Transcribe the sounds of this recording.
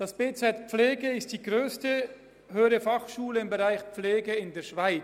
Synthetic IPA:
d̥asb̥eːt͡sɛtpp͡fleːɡəɪstd̥iːɡʁøːstə | høːəʁəfɑχʃuːləɪmbəʁaɪxpp͡fleːɡəɪndeːɐʃv̥aɪ

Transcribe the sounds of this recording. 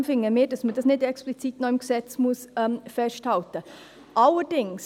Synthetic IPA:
mfɪŋːəmeːdɑsməd̥ɑsnɪdɛksplit͡sitnɔɪmɡ̥sɛt͡smuəsɛmfɛsthɑltə | ʔɑləɾd̥ɪŋs

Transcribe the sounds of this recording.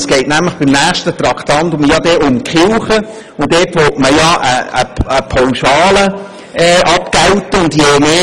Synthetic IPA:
sɡ̥ɛɪtnæmləχb̥ɪmnæːχʃtət̪rɑktɑntʊmjɑdɛːʔʊmkχɪlχə | ʊndeːtʋɔtməjɑʔəə̰əpʰawʃɑːlə | ɛʔɑpɡ̥awtəʊndjeːmeː

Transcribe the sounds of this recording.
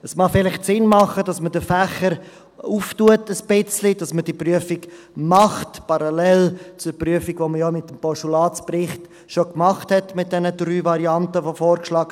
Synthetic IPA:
əsmɑfɪlɪχtsɪnmɑχədɑsmədəfæχəɾ | uftuətəsb̥ɪt͡slid̥ɑsməd̥ipryəfik | mɑχtpɑɾɑlɛlt͡sʊɾpryəfiɡvoməjɔmɪtːəmpɔʃulɑːt͡sprɪχt | ʃokmɑχthɛtmɪt̚d̥ɛnəd̥ryːvɑɾiɑntəvofɔːɾkʃlɑːɡ

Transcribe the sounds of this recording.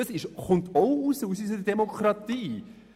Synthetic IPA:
ɑsɪʃχʊntoʊusəusysədɛmokʰɾɑtiː

